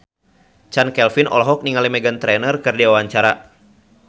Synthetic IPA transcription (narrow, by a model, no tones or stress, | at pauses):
t͡ʃankɛlfinɔ̰lɦɔk̚niŋalimɛɡant̪ɾɛnərkɨrdiwawaɲt͡ʃaɾa